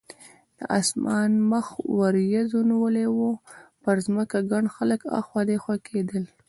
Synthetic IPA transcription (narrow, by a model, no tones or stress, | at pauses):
d̪̥əʔasmɑnməxwaɾjazoniwəlewopəɾzməkaɡaɳxaləkɑ̰xwɑd̪exwakʰed̪əl